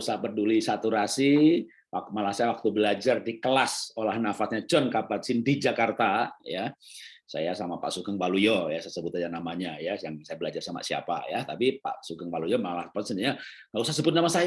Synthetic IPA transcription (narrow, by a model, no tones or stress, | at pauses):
usahpərdulisat̪uɾasi | wakmalahsajawak̚t̪ubəlad͡ʒardikəlasolahnafat̚ɲat͡ʃɔnkapat̪̚sindid͡ʒakart̪ajasa̰jasamapa̰ʔsukəŋbalujɔjasaasəbʊt̪ad͡ʒanamaɲajajaŋsajabəlad͡ʒarsama̰sia̰pa̰jat̪apipa̰ʔsukəŋbalujɔmalahpɔt̪səndiɲa | ŋɡaʔusahsəbʊt̪̚namasaja